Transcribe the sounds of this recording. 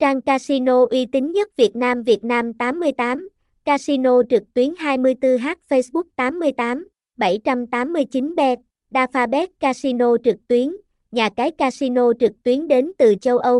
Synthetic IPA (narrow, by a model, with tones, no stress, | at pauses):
t͡ɕaː˧ŋkaː˧si˧no˧ʔwi˧t̪ï˨˦ŋ̟ɲə˦˥t̚vi˨˩ət̚naː˧mvi˨˩ət̚naː˧mt̪aː˨˦mːɨ˧əjt̪aː˨˦m | kaː˧si˧no˧t͡ɕɨ˨˩k̚t̪wi˨˦ənɦaː˧jmɨ˧əjt̪ɨ˧ɦaː˦˥t̚fə˧jsɓʊ˦˥k̚t̪aː˨˦mːɨ˧əjt̪aː˨˦m | ɓə˧˩jt͡ɕa˧mt̪aː˨˦mːɨ˧əjt͡ɕi˨˦nɓɛ˧t̚ | ɗaː˧faː˧ɓɛ˦˥t̚kaː˧si˧no˧t͡ɕɨ˨˩k̚t̪wi˨˦ən | ɲaː˨˩kaː˨˦jkaː˧si˧no˧t͡ɕɨ˨˩k̚t̪wi˨˦ənɗe˨˦nt̪ɨ˨˩t͡ɕə˧wʔə˧w